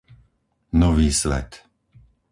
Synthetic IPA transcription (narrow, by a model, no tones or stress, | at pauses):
nɔʋiːsʋɛ̰t̪